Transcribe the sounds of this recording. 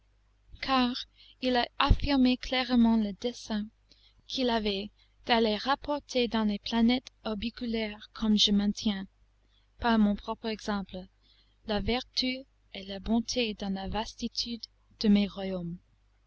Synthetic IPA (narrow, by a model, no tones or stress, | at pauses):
kʰaʁ | ilaafiʁmekʰlɛʁmɑ̃ləd̪ɛsɛ̃ | kʰilavɛ | d̪̥aleʁapɔʁt̪ʰed̪ɑ̃leplanɛt̪ɔbikylɛʁkʰɔmʒəmɛ̃t̪ʰjɛ̃ | paʁmɔ̃pχɔpχɛɡzɑ̃pl | lavɛʁt̪ʰy | elabɔ̃t̪ʰed̪ɑ̃lavast̪it̪ʰyd̪ː | əmeʁwajom